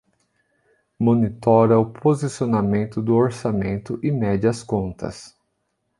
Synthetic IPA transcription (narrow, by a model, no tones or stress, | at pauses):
mõnit̪ɔɾɐʊpʰozisionamẽnt̪ʊd̪ʊoɾsamẽnt̪ʊʔɪmɛd͡ʒɐskõnt̪ʰɐ̰s